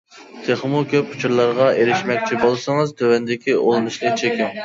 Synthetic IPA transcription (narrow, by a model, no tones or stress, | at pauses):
t̪ʰeχmukʲøput͡ʃʰuɾlˠɑɾʁɑeɾɪʃmɛkʲt͡ʃʰibolˠsɨŋɨzt̪ʰøwɛnd̪ɪkʲiʔolˠnɨʃlˠɨt͡ʃʰekʲiŋ